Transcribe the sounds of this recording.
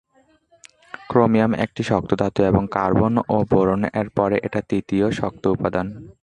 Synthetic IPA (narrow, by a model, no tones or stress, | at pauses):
kɾomijamḛk̚ʈiʃɔk̚t̪od̪ʱat̪ːoeboŋkaɾbonoboɾoneɾpɔɾeʔeʈat̪it̪ioʃɔk̚t̪oupad̪an